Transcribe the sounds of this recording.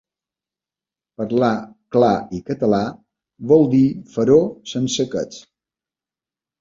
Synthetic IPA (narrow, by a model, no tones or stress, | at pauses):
pəɾlaklaikət̪əla | βɔlˠd̪ifəɾosənsəkə̰t͡s